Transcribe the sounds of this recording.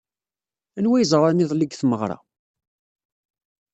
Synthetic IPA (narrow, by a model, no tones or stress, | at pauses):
ænwæjzˤəɾˤɑnɪðˤliɡθməʁɾˤɑ̰